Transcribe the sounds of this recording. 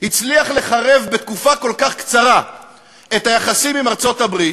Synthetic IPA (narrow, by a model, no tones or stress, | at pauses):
hit͡sliaχle̞χaʁe̞vbe̞t̪̚kufako̞lkaχkt͡saʁa | e̞t̪hajaχasimimaʁt͡so̞tabʁi